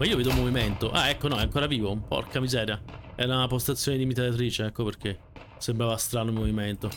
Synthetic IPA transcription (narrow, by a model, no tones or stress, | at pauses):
maiːoveːd̪oumːoviment̪oʔa̰ɛkːonɔɛaŋkoːɾaviːvopɔ̰rkʰamizɛːɾjaɛunapost̪at̪sːjoːned̪imit̪alat̪ɾiːt͡ʃeɛkːoperk̟e | sembɾaːvast̪ɾaːnoimoviment̪o